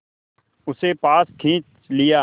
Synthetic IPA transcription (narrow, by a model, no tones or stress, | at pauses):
ʊsepaːskʰĩːt͡ʃ | lɪjaː